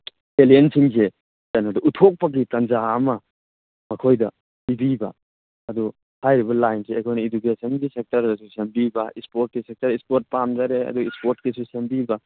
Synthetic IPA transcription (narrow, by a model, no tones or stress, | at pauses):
eliensiŋse | tanɐdɐʔutʰok̚pɐɡitɐnzaːmɐ | mɐkʰojdɐ | pibibɐ̰ | ɐdu | hajɾibɐlajnseekʰojnɐid͡ʒukesɐnɡisek̚tɐɾdɐsusembibɐʔispoɾt̚kisek̚tɐɾispoɾt̚pamd͡ʒaɾeɐ̰duispoɾt̚kisusembibɐ